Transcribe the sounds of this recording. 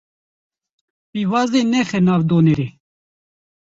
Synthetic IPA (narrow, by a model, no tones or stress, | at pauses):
piːvaːzd̪enɛxɛnaːvd̪oːneɾeː